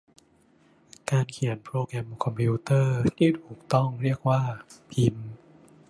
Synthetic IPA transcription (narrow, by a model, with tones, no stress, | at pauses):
kaː˧nkʰi˩˦ənpʰɾoː˧kɾɛ˧mkʰɔ˧mpʰi˧t̪ɤː˥˩t̪ʰiː˥˩t̪ʰuː˨˩k̚t̪ɔ˥˩ŋɾi˥˩ək̚waː˥˩pʰi˧m